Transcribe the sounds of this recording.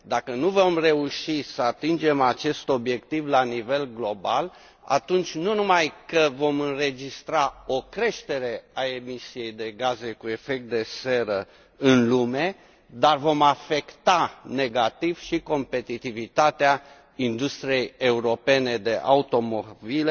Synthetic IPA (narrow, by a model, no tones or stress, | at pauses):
d̪akənuvo̞mre̞uʃisəat̪ind͡ʒe̞mat͡ʃe̞st̪o̞bje̞kt̪ivlanive̞lɡlo̞ba̰l | a̰t̪unt͡ʃʲnunumajkəvo̞mɨnre̞d͡ʒist̪ɾao̞kɾe̞ʃt̪e̞ɾe̞ae̞misije̞jd̪e̞ɡaze̞kue̞fe̞k̚t̪̚d̪e̞se̞ɾə | ɨnlume̞ | d̪arvo̞mafe̞kt̪ane̞ɡat̪iv̥ʃiko̞mpe̞t̪it̪ivit̪at̪ea | ind̪ust̪ɾije̞je̞uɾo̞pe̞ne̞d̪e̞ʔa̰ut̪o̞mobil